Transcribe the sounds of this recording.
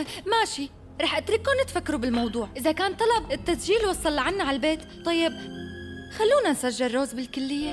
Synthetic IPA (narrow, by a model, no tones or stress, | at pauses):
maʃi | ɾˤɑːħʔat̪ɾɪkːonɪt̪fakːaɾubɪlmɑwd̪ˤuːʕʔɪzakaːnt̪ˤːɑlɑbɪt̪ːasʒiːlwɑsˤːɑlːʕanːaʕalbeːt̪t̪ˤːɑjːɪb̚ | xalːuːnansaʒːɪrːoːzbɪlkʊlːɪjːe